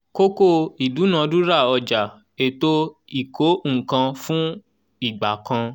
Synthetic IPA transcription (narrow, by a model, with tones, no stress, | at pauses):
ko˦ko˦˨i˨du˨˦nã˨˧du˦ɾa˦˨ɔ˧d͡ʒa˨ | e˦˨to˦i˨ko˨˦ŋ̩˨kã˧fũ˦ | i˦˨ɡ͡ba˨kã˧